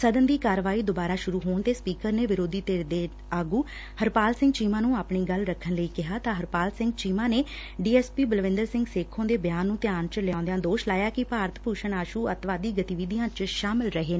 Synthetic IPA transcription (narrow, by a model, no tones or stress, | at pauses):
səd̪ənd̪iːkaːɾʋaːiːd̪obaːɾaːʃʊɾuːɦoːɳt̪eːspiːkəɾneːʋɪɾoːd̪iːt̪eːɾd̪eː | aːɡũː | həɾpaːlsɪ̃ŋɡt͡ʃiːmãːnũːaːpɳiːɡəlɾəkʰːənləiːkɪɦaːt̪ãːɦəɾpaːlsɪ̃ŋɡt͡ʃiːmãːneː | ɖiːɛːspiːbəlʋɪ̃nd̪əɾsɪ̃ŋɡseːkʰːõːd̪eːbjaːnːũːt̪ɪjaːnt͡ʃəljãːnd̪ejãːd̪oːʃlaːjaːkɪpaːɾət̪ʰpuːʃəɳaːʃuːət̪ʋaːd̪iːɡət̪iʋid̪ijãːt͡ʃʃaːmɪlɾəɦeː